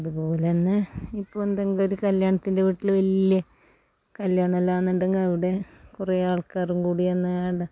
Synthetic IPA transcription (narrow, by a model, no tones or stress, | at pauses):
ɐðupo̞ːlenːɨipːoːnd̪ɐŋːɡilo̞ɾukɐljaːɳɐt̪ːinde̞ʋiʈːilʋɐlijɐ | kɐljaːɳɐɐlːaːnːuɳɖeŋɡilɐʋiɽe̞kureaːɭkaːrumkuːɽienːɐaːɳɨ